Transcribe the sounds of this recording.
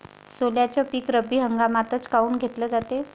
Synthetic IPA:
soljat͡ɕjapiːkɾəbiːɦəŋɡamat̪ət͡skauːnɡʱet̪ləːd͡zat̪e

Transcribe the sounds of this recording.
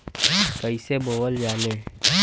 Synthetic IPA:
kəiseboːwəld͡ʒaːleː

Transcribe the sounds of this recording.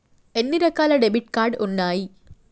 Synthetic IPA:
enːiɾɐkːaːlɐɖebiʈkaːrɖunːaːji

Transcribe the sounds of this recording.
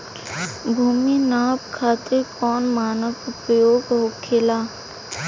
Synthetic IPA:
bʱuːminaːpkʰaːt̪ekɔːnmaːnəkpɾəjoːɡɦokʰeːlaː

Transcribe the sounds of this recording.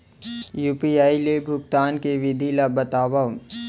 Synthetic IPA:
juːpiaːilebʱʊkt̪aːnkeʋɪd̪ʱilabɐt̪aːʋa

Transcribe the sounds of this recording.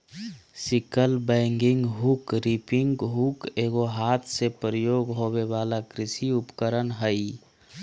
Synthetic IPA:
sɪkəlbɛ̃ŋɡɪŋɡɦukɾipɪŋɡɦukeɡoɦaːt̪ʰsepəɾəjoːɡɦoweʋaːlakɾɪsiʊpkəɾənɦəi

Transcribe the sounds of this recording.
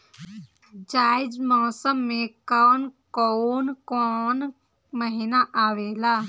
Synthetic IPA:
d͡ʒaːɪd͡ʒmɔːsəmːẽkɔːnkɔnkɔːn | məɦɪnaʔaːʋeːlaː

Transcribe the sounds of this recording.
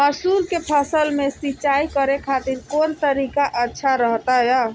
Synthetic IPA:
məsulkepʰəsəlmesit͡ʃaikəɾekʰat̪iɾkont̪əɾikaʔətːʃʰaɾəɦt̪aja

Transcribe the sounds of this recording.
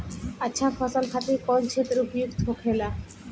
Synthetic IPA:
atːɕʰafʰɔsalkʰat̪ikɔnt͡ɕʰet̪ɾeupjukt̪ɦokela

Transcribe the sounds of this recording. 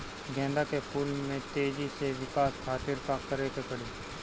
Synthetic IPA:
ɡɛ̃ːnd̪akepʰuːlmẽt̪eːd͡ʒiseʋɪkaːskʰaːt̪ɪɾkakəɾek̪epɐɽiː

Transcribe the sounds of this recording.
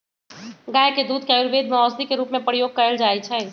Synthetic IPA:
ɡajked̪ud̪ʱkeaiɾbed̪ʱmeɔsd̪ikeɾuːpmẽpɾijoɡ̚kəɾəld͡ʒaːɛt͡ʃʰɛː

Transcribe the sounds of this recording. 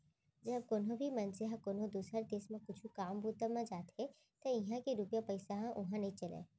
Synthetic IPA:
d͡ʒɐb̚koːnɦõbʱimɐnzeɦãkoːnõd̪uːsɾəɾd̪eːsmẽkʊt͡ʃʰũkaːmbuːt̪əmẽd͡ʒaːt̪ɦɛ | t̪ɐɪɦãkeɾupjapɐɪsaɦãʔʊɦãnɐɦĩt͡ʃɐlḛ̃ː

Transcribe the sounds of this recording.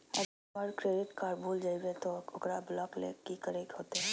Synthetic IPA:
ɐ̰ | əɾkɾeːɖɪʈkaːɾbʱuːld͡ʒaibet̪oʊkɾablɔːklḛkikəɾekɦoːt̪eɦɛ

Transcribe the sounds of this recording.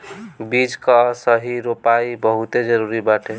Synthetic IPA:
bid͡ʒkəsəɦiɾopaibəɦut̪ed͡ʒəɾuɾibaʈʰe

